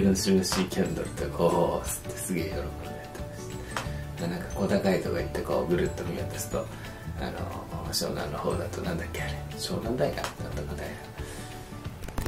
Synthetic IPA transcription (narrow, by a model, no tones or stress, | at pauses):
bɯ̃nɕibɯ̃ɕiːkʲʰẽnd̪oɾɯ̟t̪okʰoːt͡sɨ̥t̪ːe̞̥sɨɡeːjoɾokomid̪at̪ʰːe̥mast̪ | d̪anãŋkḁko̞ːt̪akait̪oɡait̪ːe̞ko̞ːɡɯ̟ɾɯt̪ːomʲimet̪asɨ̥t̪o̞ | a̰no̰ɕo̰ːɡã̰nːoho̞̰ːd̪at̪onãnd̪akːeaɾe | ɕo̰ːnãnd̪aik̪a̰nʰãnt̪okad̪aina